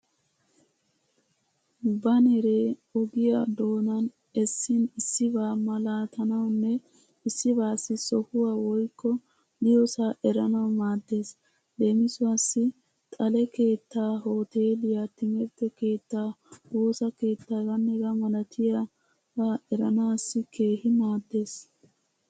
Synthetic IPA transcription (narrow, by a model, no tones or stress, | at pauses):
bɐnɛɾe̞ːɔɡɪjad̪o̞ːnɐn | ɛsːɪnɪsːɪbaːmɐlaːt̪ʰɐnɐwnːɛ | ɪsːɪbaːsːɪsɔhʊwaːwɔjkːɔ | d̪ɪjɔsaːʔɛɾɐnɐwmaːd̪ːe̞ːs | d̪e̞ːmɪsʊasːɪ | t̪ʼɐlɛke̞ːt̪ːaːɦo̞ːt̪e̞ːd̪ɪjat̪ɪŋɛɾt̪ːɛke̞ːt̪ːaːwo̞ːsɐke̞ːt̪ːaɡɐnːɛɡɐmɐlɐt̪ʰɪjɐ | baːɛɾɐnaːsːɪkʰe̞ːhɪmaːd̪ːe̞ːs